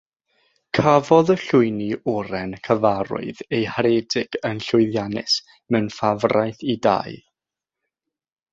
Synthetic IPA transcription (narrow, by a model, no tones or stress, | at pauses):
kʰavɔðəɬʊɨniʊɾɛnkʰəvaɾʊ̰ɨðejhaɾɛdɪɡ̥ənɬʊɨðjanɪ̰s | mɛwnfavrajθida̰j